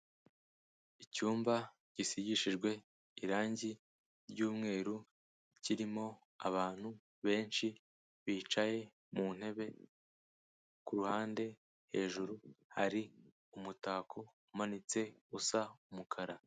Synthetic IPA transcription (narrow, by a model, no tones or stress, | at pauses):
icuːmba | ɟ̥isiɟiʃiʒɡwe̞ | iɾaːɲɟi | ɾɟuːmŋe̞ːɾu | ciɾimo̞ | a̰βaːn̥hu | βe̞ːnʃi | βiːt͡ʃaje̞ | mun̥he̞βe̞ | kuɾuhaːnde̞ | he̞̰ːʒuɾuhaɾi | umutaːkʰo̞ | manit͡se̞usaumukʰaɾa